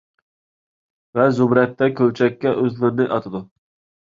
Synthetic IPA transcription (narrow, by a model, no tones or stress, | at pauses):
vɛzubɾɛt̪ːɛkʲʰølt͡ʃʰɛkʲːɛʔøzlɪɾɪnɪʔɑt̪ʰɨd̪u